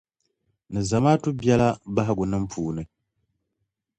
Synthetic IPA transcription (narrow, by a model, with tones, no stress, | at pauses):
nɨ˨za˨maː˦tu˦bjɛ˦la˦ba˦ɦɪ˦ɡʊ˨nɨ˦m̩˦pʰuː˨nɨ˨